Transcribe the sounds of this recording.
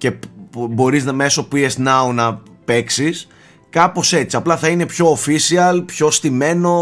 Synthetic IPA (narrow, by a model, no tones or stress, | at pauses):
ce̞bo̞ɾiznɐme̞so̞puiesnɐonɐpe̞ksis | kɐpo̞se̞t͡siɐplɐθɐine̞pço̞ːfisiɐlpço̞st̪ime̞no̞